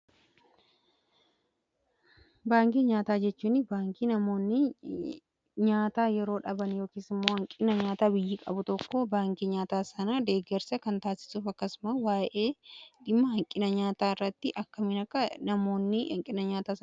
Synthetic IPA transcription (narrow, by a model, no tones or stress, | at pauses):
baːŋkiɲaːt̪aːd͡ʒɛt͡ʃːuːnɪbaːŋkiːnɐmo̞ːnːɪ | ɲaːt̪aːjɛɾo̞ːᶑɐbɐnjo̞ːkiːsɪmːo̞ːhɐŋkʼɪnɐɲaːt̪aːbɪjːiːkʼɐ̰bʊt̪ɔkːobaːŋkiɲaːt̪aːsɐnɐd̪e̞ːɡɛɾsɐkɐnt̪aːsɪ̥suːfɐkːɐsʊmɐwaːʔe̞ːᶑ̪ɪmːɐhɐŋkʼɪnɐɲaːt̪aːɪrːɐt̪ːɪʔɐkːɐmɪnɐkːɐnɐmo̞ːnːɪhɐ̰ŋkʼɪnɐɲaːt̪aːsɐ